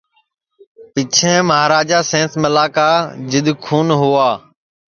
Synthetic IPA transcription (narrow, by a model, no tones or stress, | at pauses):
pɪt͡ʃʰẽːməɦaːɾaːd͡ʒaːsẽːnsmɪlaːkaːd͡ʒɪɗ̪kʰuːnɦʊaː